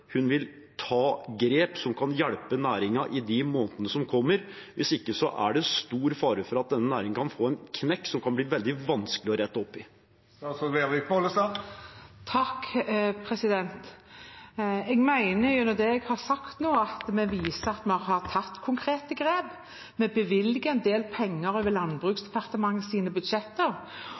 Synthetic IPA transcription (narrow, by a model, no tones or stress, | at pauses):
hʉnʋɪl | t̪ʰɑːɡɾeːpsɔmkʰɑnjɛɽpənæːɾɪŋɑʔɪd̪ɪmoːnt̪ənəsɔmkʰɔmːəɾʋɪsɪkːəsɔʔæ̰ɖɛst̪uːɾfɑːɾəfɔɾɑt̪̚d̪ɛnːənæːɾɪŋ̩kʰɑnfoːɛnkʰnɛkːsɔmkʰɑnbliːʋɛld̪ɪʋɑnskəlɪɔɾɛt̪ːɔpːɪ | ɑsɔʋeːʁʋɪk̚pʰoləsɑ | t̪ʰɑkːpʰɾɛsɪd̪ɛnt̪ | ɛɡmæɪnəɾjʊnɔd̪ɛɛɡhɑɾsɑkt̪noːəɑt̪mɛʋiːsəɑt̪mɛhɑɾt̪ʰɑt̪ːkʰʊŋkʰɾeːt̪əɡɾeːb | mɛbəʋɪlɪɡəɛnd̪eːlpʰɛŋːəɾøʋəlɑnbʁʉːksd̪ɛpʰɑɾt̪əmɑŋːəsiːnəbʉd̪ʃɛt̪ːəɾ